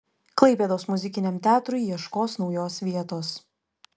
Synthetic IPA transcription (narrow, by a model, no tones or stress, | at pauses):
klˠɐɪpʲeːd̪oːsmʊzʲɪkʲɪnʲɛmt̪ʲæːt̪ɾʊɪjiɛʃkoːsnɒʊjoːsʋʲiɛt̪oːs